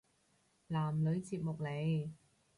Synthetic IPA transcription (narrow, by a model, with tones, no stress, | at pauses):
laː˨˩mlɵ˨˧ɥt͡siː˧p̚mʊ˨k̚le˨˧j